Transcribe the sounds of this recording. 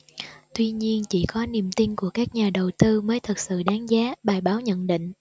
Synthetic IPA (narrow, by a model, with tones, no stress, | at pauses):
t̪wi˧ɲi˧ənt͡ɕi˧˩kɔ˨˦ni˨˩əmt̪i˧nku˧˩əkaː˦˥k̚ɲaː˨˩ɗə˨˩wt̪ɨ˧məː˨˦jt̪ʰɨ˨˩t̚sɨ̰˧˨ɗaː˨˦ŋzaː˨˦ɓaː˨˩jɓaː˨˦wɲə̰˧˨nɗḭ˧˨ŋ̟